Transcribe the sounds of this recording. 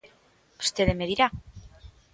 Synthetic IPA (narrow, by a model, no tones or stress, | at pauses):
ust̪eðemeðiɾa